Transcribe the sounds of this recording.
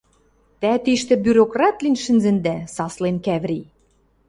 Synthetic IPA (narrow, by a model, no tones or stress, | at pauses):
t̪æt̪iʃt̪ɘ̆byɾokrɑt̪linʃɘ̆nzɘ̆nd̪æsɑslenkæβɾʲi